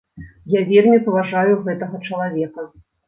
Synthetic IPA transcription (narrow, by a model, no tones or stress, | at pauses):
javʲermʲipɐvaʐajuɣɛt̪ɐɣɐt͡ʂɐlˠavʲɛkɐ